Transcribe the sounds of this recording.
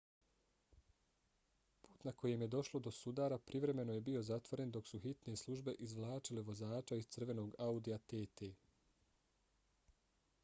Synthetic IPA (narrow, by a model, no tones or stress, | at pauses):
puːt̪nako̞je̞mje̞d̪o̞ʃlˠo̞d̪o̞sud̪aːɾapɾiʋɾe̞me̞no̞je̞bio̞zat̪ʋo̞ɾe̞nd̪o̞ksuxit̪nije̞slˠuʒbe̞ʔizʋlˠaːt͡ʃileʋo̞zaːt͡ʃaizt̪sr̩ʋe̞no̞ːɡaud̪ijat̪eːt̪eː